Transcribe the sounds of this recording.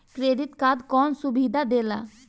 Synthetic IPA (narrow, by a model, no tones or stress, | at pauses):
kɾeɖit̪kad̪kɔnsubid̪ʱad̪ela̰